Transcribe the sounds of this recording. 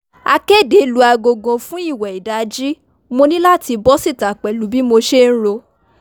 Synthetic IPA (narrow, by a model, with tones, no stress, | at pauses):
a˧ke˦˨de˨˦lu˧a˧ɡo˧ɡɔ̃˧fũ˦i˦˨wɛ˨i˨da˨˦d͡ʒi˦ | mo˧nĩ˦la˦ti˧bɔ˦si˦˨ta˨k͡pɛ˨lu˨˦bi˦mo˧ʃe˦ñ̩˦ɾo˧